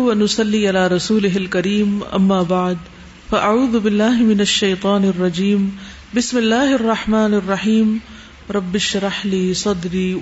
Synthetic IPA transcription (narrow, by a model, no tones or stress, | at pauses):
ʔanːʊsˤɑlːiːʔɪlaːɾˤɑsuːlɪɦalkaɾiːmʔa̰mːaːbaʕd̪ | faʔaʕuːðʊbɪlːaːhmɪnaʃːajt̪ˤɑːnɑrˤːɑd͡ʒiːm | bɪsmɪlːaːhʔɑrˤːɑħmaːnɑrˤːɑħiːm | ɾˤɑbːɪʃɾˤɑħliːsˤɑd̪ɾiː